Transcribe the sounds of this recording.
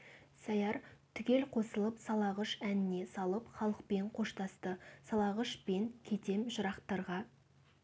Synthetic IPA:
sɑjɑɾt̪ʰʏɡʲe̞lqʰo̞səlˠəpsɑlˠɑʁəʃænɪne̞sɑlˠəpχɑlˠəq̚pe̞ɴqʰo̞ʃt̪ɑst̪əsɑlˠɑʁəʃpeŋkʲʰe̞t̪e̞mʒʊɾɑqt̪ɑɾʁɑ

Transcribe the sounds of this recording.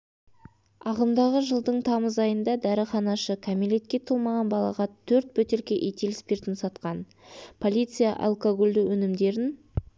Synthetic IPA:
ɑʁəmd̪ɑʁəʒəlˠd̪əɴt̪ʰɑməzɑjənd̪ɑd̪æɾɪχɑnɑʃəkʰamile̞t̪̚kʲe̞t̪ʰəlˠmɑʁɑnbɑlˠɑ̰ʁɑt̪ʰɵɾt̪̚bɵt̪e̞ɾkʲe̞ʔet̪elɪspe̞ɾt̪ɪnsɑt̪qɑn | pʰo̞lʲijt̪sɨjɑ̰ʔa̰lˠkoɡolʲd̪ɪwʔɵnɪmd̪e̞ɾɪn

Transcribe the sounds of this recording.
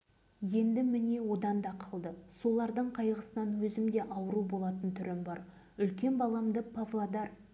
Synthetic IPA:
je̞nd̪ɪmɪne̞wo̞d̪ɑnd̪ɑqʰəlˠd̪əso̞lˠɑɾd̪əɴqʰɑjʁəsənɑnwɵzɪmd̪e̞ʔɑwəɾubo̞lˠɑt̪ənt̪ʰʏɾɪmbɑɾ | ʏlkʲe̞nbɑlˠɑmd̪əpʰavlˠad̪ɑr

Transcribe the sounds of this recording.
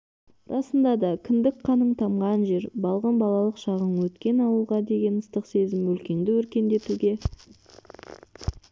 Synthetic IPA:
rɑsənd̪ɑd̪ɑkʲʰɪnd̪ɪkqʰɑnəɴt̪ʰɑmʁɑnʒe̞ɾbɑlˠʁənbɑlˠɑlˠəqʃɑʁəɴwɵt̪kʲe̞nɑwəlˠʁɑd̪e̞ɡʲe̞nəst̪əqse̞zɪmwɵlkʲe̞ŋd̪ɪwɵɾkʲe̞nd̪e̞t̪uɡʲe̞

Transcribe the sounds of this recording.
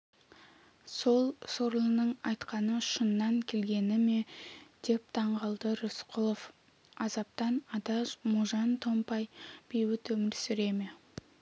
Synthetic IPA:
so̞lˠsoɾlˠənəɴɑjt̪qɑnəʃənːɑŋkʲʰe̞lɡʲe̞nɪme̞d̪̥e̞p̚t̪ʰɑɴʁɑlˠd̪əɾʊsqʰʊlˠof | ɑzɑp̚t̪ɑnɑd̪ɑzmuʒɑnt̪ʰo̞mpɑjb̥ewɪt̪ɵmɪɾsʏɾe̞me

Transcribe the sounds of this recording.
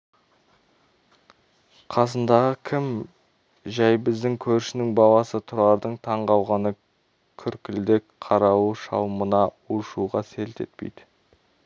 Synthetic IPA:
qʰɑsənd̪ɑʁəkʲʰɪm | ʒæjbɪzd̪ɪŋkʲʰɵɾʃɪnɪŋbɑlˠɑsət̪ʰʊɾɑɾd̪əɴt̪ʰɑɴʁɑwʁɑnə | kʲʰʏɾkʲɪld̪ɪkqʰɑɾɑwuʃɑwmənɑ | uʃuʁɑselt̪e̞̰t̪pḛjd̪̥ɪ

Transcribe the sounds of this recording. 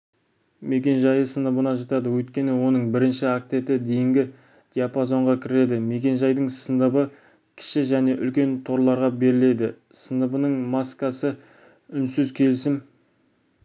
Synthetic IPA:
me̞kʲe̞nʒɑjəsənəbənɑʒɑt̪ɑd̪əwɵjt̪̚kʲe̞nɪwo̞nəɴbɪɾɪnʃɪak̚t̪e̞t̪ɪd̪e̞jɪŋɡʲɪ | d̪̥ʲijapazo̞ɴʁɑkʲʰɪɾe̞d̪ɪme̞kʲe̞nʒɑjd̪əɴsənəbə | kʲʰɪ̥ʃɪʒæne̞ʔʏlkʲe̞nt̪ʰo̞ɾlˠɑɾʁɑbe̞ɾɪle̞d̪ɪ | sənəbənəɴmɑskɑsə | ʏnsʏzkʲʰe̞lɪsɪm

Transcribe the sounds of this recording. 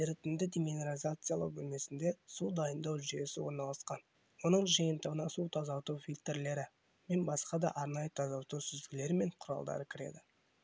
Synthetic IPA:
eɾɪt̪ɪnd̪ɪd̪ʲemeneɾizat̪sɨjalˠə̰bʏlme̞sɪnd̪e̞sud̪ɑjənd̪ɑwʒije̞sɪwo̞ɾnɑlˠɑsqɑn | wo̞nəɴʒijənt̪əʁənɑsut̪ʰɑzɑwt̪uwfʲilt̪ɾle̞ɾɪ | me̞nbɑsqɑd̪ɑ̰ʔɑɾnɑjət̪ʰɑzɑwt̪uwsʏzd̪ɪɡʲɪle̞ɾɪme̞ɴqʰʊɾɑ̰lˠd̪ɑ̰ɾəkʲʰɪɾe̞̰d̪ɪ

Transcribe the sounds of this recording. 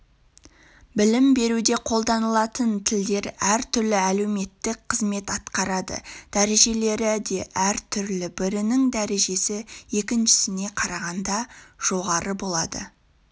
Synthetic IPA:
bɪlɪmbe̞ɾud̪e̞qʰo̞lˠd̪ɑnəlˠɑt̪ənt̪ʰɪld̪e̞ɾæɾt̪ʰʏɾlɪæle̞wme̞t̪ːɪk̚qʰəzme̞t̪ɑt̪qɑɾɑd̪ə̰d̪̥æɾe̞ʒe̞le̞ɾɪd̪e̞ʔæɾt̪ʰʏɾlɪbɪɾɪnɪŋd̪æɾe̞ʒe̞sɪje̞kʲɪnʃɪ̥sɪne̞qʰɑɾɑʁɑnd̪ɑʒ̥o̞ʁɑɾəbo̞lˠɑd̪ə̰

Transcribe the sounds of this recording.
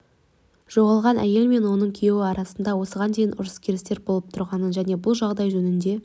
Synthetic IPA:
ʒ̥o̞ʁɑlˠʁɑnʔæ̰je̞lme̞nwo̞nəɴkʲʰije̞wɪɑɾɑsənd̪ɑwo̞səʁɑnd̪e̞jɪnʔʊ̰ɾəskʲʰeɾɪst̪e̞ɾbo̞lˠəp̚t̪ʰʊɾʁɑnəʒæne̞bʊlˠʒɑʁd̪ɑjʒɵnɪnd̪e̞

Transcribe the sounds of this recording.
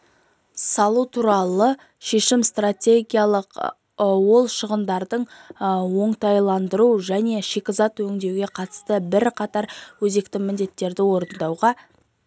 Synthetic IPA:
sɑlˠut̪ʰuɾɑlˠə | ʃe̞ʃɪmst̪rat̪ʲe̞ɡʲijalˠəq | wo̞lˠʃəʁənd̪ɑɾd̪əɴwo̞ɴt̪ɑjlˠɑnd̪əɾuʒæne̞ʃe̞kʲɪzɑt̪wɵŋd̪e̞wɡʲe̞qʰɑt̪ə̥st̪əbɪɾqʰɑt̪ɑɾwɵze̞kt̪ɪmɪnd̪e̞t̪ːe̞ɾd̪ɪwo̞ɾənd̪ɑwʁɑ

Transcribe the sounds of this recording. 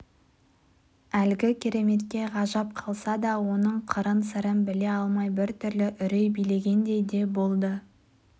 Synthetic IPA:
ælɡʲɪkʲʰe̞ɾe̞me̞t̪kʲe̞ʁɑʒɑp̚qʰɑlˠsɑd̪ɑwo̞nəɴqʰəɾənsəɾənbɪle̞ɑlˠmɑjbɪɾt̪ʰʏɾlɪʔʏɾejbijle̞ɡʲe̞nd̪e̞jd̪e̞bo̞lˠd̪ə

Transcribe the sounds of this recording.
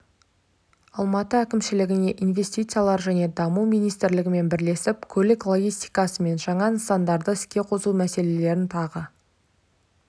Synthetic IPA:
ɑlˠmɑt̪əækʲɪmʃɪlɪɡʲɪne̞ʔinvʲe̞st̪ijt̪sɨijalˠɑɾʒæne̞d̪ɑmuwmijnijst̪ɪɾlɪɡʲɪme̞nbɪɾle̞sɪpkʲʰɵlɪklˠo̞ɡʲijst̪ijkɑsəme̞nʒɑɴɑnəsɑnd̪ɑɾd̪əɪskʲe̞qʰo̞səlumæse̞le̞le̞ɾɪnt̪ʰɑʁə

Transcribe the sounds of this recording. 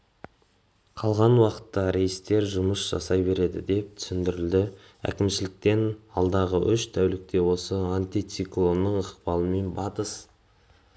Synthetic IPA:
qʰɑlˠʁɑnwɑqə̥t̪ːɑɾe̞jɪst̪e̞ɾʒʊməsʒ̥ɑ̰sɑjbe̞ɾe̞d̪ɪ̰d̪e̞p̚t̪ʰʏ̥sɪnd̪ɪɾɪld̪ɪ | æ̰kʲɪmʃɪlɪk̚t̪e̞nɑlˠd̪ɑʁəʔʏʃt̪ʰæwlɪk̚t̪e̞wo̞səant̪ijt̪siklˠo̞nːəɴəqpɑlˠəme̞nbɑt̪əs

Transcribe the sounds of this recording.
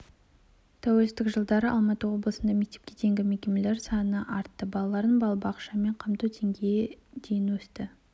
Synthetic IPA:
t̪ʰæwelɪst̪ɪkʒəlˠd̪ɑɾəʔɑlˠmɑt̪əwo̞blˠəsənd̪ɑme̞k̚t̪e̞p̚kʲe̞d̪e̞ŋɡʲɪmekʲe̞mele̞ɾsɑnənɑʔɑɾt̪ːəbɑlˠɑlˠɑɾənbɑlˠbɑqʃɑme̞ɴqʰɑmt̪ut̪ʰe̞ŋɡʲejed̪e̞jɪnwɵst̪ɪ

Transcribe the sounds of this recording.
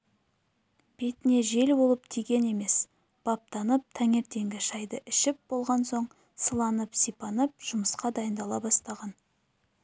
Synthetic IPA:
b̥e̞t̪ɪne̞ʒe̞lbo̞lˠəp̚t̪ʰijɡʲe̞ne̞me̞s | b̥ɑp̚t̪ʰɑnəp̚t̪ʰæŋe̞ɾt̪e̞ŋɡʲɪʃɑjd̪əʔɪʃɪp̚b̥o̞lˠʁɑnso̞ɴ | səlˠɑnəpsijpɑnəp̚ʒ̥ʊməsqɑd̪ɑjənd̪ɑlˠɑbɑst̪ɑʁɑn

